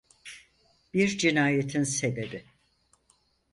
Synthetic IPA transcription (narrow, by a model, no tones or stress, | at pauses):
b̥iɾd͡ʒinaːjet̪ʰinsebe̞bi